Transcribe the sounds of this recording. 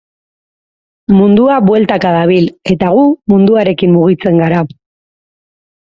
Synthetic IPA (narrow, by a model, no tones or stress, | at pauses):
mund̪uaβwe̞lt̪akaðaβ̞ile̞t̪aɣ̞umund̪uaɾe̞kimmuɣ̞it͡se̞ŋɡaɾa